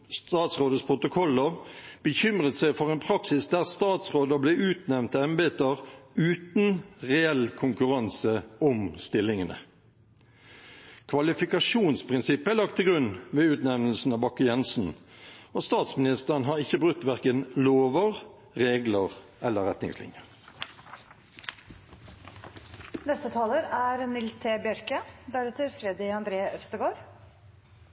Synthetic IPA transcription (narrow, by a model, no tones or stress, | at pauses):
st̪ɑːt̪sʁoːd̪əspʰʁʊt̪ʊkʰɔlːəʁb̥əçʏmʁət̪sæɪfɔʁɛɪnpʰʁɑksɪsd̪æʁst̪ɑːt̪sʁoːd̪əblɛʔʉːt̪nɛnt̪əɛmbeːt̪əʁʉːt̪n̩ʁɛɛlkʰʊŋkʉʁɑnsəɔmst̪ɪlːɪŋənə̰ | kʰʋɑlɪfɪkɑʂuːnspʰʁɪnsɪpːəælɑk̚t̪ʰːɪlɡʁʉnʋeːʉːt̪nɛʋnl̩sn̩ɑːbɑkːəjɛnsn̩oːst̪ɑːt̪smɪnɪst̪əʁənɦɑːʁɪçːəbʁʉt̪ːʋæʁkənloːʋəʁ | ʁeːɡləʁʔɛlːəʁɛt̪nɪ̰ŋslɪ̰njəʁ | nɛst̪ət̪ʰɑːləɾæɾnɪlst̪ʰeːbjœɾkəd̪æɾɛt̪əɾfɾɛd̪ɪɑnd̪ɾeːʔœfst̪əɡoːɾ